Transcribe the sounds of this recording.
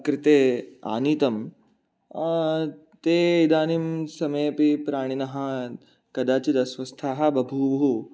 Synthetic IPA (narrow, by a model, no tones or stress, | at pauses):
kɾɪt̪eːa̰ːniːt̪ɐm | t̪eːid̪aːnimsɐmeːpipɾaːɽ̃inɐɦɐ̆ | kɐd̪aːt͡ʃid̪ɐsʋɐst̪ʰaːɦɐ̆bɐbʱuʋɐɦu